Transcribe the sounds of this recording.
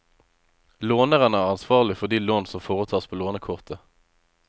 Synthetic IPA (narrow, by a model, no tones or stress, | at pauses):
loːnəʁənəæːʁɑnsʋɑːʁlɪfɔʁd̪iːloːnsɔmfoːʁət̪ʰɑːʁspʰoːloːnəkʰʊʁt̪ʰə